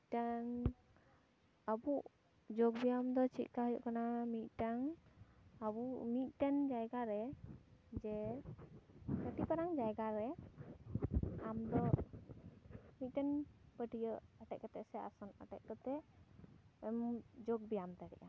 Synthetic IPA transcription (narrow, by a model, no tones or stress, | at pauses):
ʈaŋ | əbuʔ | d͡ʒoɡbijamd̪ɔt͡ʃʰit̪̚ˀkaɦəjɔ̰ʔkanamit̪̚ˀʈaŋ | əbumit̪̚ʈɛnd͡ʒajɡaɾɛ | d͡ʒɛ | kəʈipaɾaŋd͡ʒajɡaɾɛ | amd̪ɔ | mit̪̚ʈɛnpəʈijəʔaʈɛʔ̚kət̪ɛʔsɛa̰sɔna̰ʈɛ̰ʔ̚kət̪ɛ | md͡ʒoɡ̚bijamt̪ɛɽɛ̰ʔa